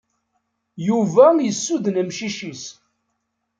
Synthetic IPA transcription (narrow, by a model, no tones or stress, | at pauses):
juvæjəsːuðnəmʃiʃis